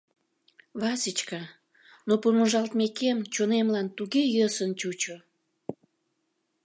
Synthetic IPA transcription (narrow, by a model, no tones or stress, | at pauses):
βɑsit͡ɕkɑ | nopumuʒɑlt̪mekemt͡ɕonemlɑnt̪uɣejəsənt͡ɕut͡ɕo